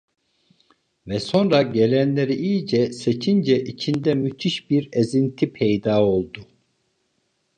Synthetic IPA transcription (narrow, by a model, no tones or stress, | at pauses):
vɛso̞nɾaɟelʲænlʲe̞ɾiijd͡ʒɛse̞t͡ʃʰind͡ʒɛʔit͡ʃʰind̪ɛmyt̪ʰiʃbiɾezint̪ʰipʰejd̪aːo̞lˠd̪u